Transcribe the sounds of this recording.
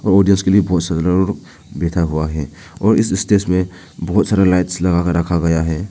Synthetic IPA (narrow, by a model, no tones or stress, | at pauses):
ɔːɾɔɖijənskeliebɔɦɔt̪saɾaɾuɾ | bɛt̪ʰaɦuaɦɛ | ɔːɾɪsɪsʈesmẽ | bɔɦɔt̪saɾalajʈslɐɣakəɾəkʰaɡɐjaɦɛ